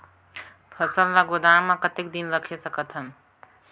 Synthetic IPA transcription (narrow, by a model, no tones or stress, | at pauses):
pʰəsəllaɡod̪ãːmãkət̪ɪk̚d̪inɾəkʰesəkət̪ʰənɪ̆